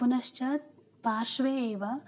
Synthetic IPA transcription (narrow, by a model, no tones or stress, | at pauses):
unɐʃt͡ʃɐt̪̚ | paːɾʃʋeːeːʋɐ